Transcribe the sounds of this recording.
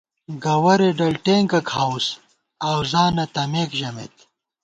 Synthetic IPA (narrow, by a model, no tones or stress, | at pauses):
ɡɐwɐɾeɖɐlʈeːŋɡɐkʰhaws | awzaːnɐt̪ɐmeːkʒɐmḛt̪